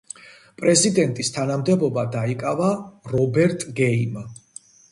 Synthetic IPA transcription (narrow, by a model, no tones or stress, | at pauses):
pʼɾɛzid̪ɛnt̪ʼist̪ʰanamd̪ɛbɔbad̪aikʼavaɾɔbɛɾt̪ʼɡɛima